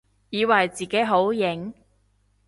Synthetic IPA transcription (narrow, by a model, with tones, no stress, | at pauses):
jiː˨˧wɐ˨˩jt͡siː˨ke˨˥jɦo˨˥wjɪ˨˥ŋ